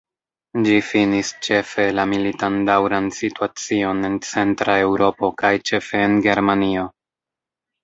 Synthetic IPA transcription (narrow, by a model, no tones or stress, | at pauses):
d͡ʒifinist͡ʃe̞fe̞lamilitandawɾansituat͡sio̞ne̞nt͡se̞ntɾae̞wɾo̞po̞kajt͡ʃe̞fe̞ːnɡe̞ɾmanio̞